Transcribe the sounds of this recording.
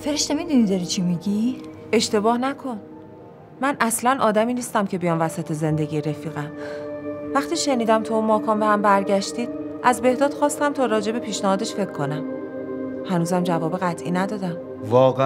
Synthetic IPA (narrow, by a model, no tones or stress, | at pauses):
feɾeʃnemid̪unid̪ɒɾit͡ʃʰimiɟi | e̞ʃt̪e̞bɒːhnækʰo̞n | mænʔæslænʔɒːd̪æmiːniːst̪æmcʰe̞bejɒːnvæsæt̪ʰeze̞nd̪e̞ɟiːɾe̞fiːɣæm | væxt̪ʰiːʃe̞niːd̪æmt̪ʰuunmɒːkʰɒːnbehæmbæɾɟæʃt̪iːd̪̥̚ʔæzbe̞hd̪ɒːd̪̥xɒːst̪æmt̪ʰɒːɾɒːd͡ʒe̞be̞pʰiːʃnæhɒːd̪e̞ʃfe̞cʰːo̞næm | hænuːzæmd͡ʒævɒːbe̞ɣæt̪ʰʔḭːnæd̪ɒːd̪æm | vɒːɣe